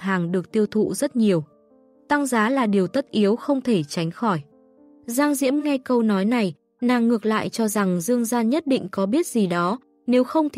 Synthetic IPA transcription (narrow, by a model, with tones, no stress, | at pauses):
ɦaː˨˩ŋɗɨ˨˩ək̚t̪i˧əwt̪ʰṵ˧˨zə˦˥t̚ɲi˨˩əw | t̪a˧ŋzaː˨˦laː˨˩ɗi˨˩əwt̪ə˦˥t̚ʔi˨˦əwxə˧wŋ͡mt̪ʰe˧˩t͡ɕa˨˦jŋ̟xɔ˧˩j | zaː˧ŋzḭ˧˥əmŋa˧jkə˧wnɔ˨˦jna˨˩j | naː˨˩ŋːɨ˨˩ək̚la̰ː˧˨jt͡ɕɔ˧za˨˩ŋzɨ˧əŋzaː˧nɲə˦˥t̚ɗḭ˧˨ŋ̟kɔ˨˦ɓi˦˥ət̚z̥i˨˩ɗɔ˨˦ | ne˨˦wxə˧wŋ͡mt̪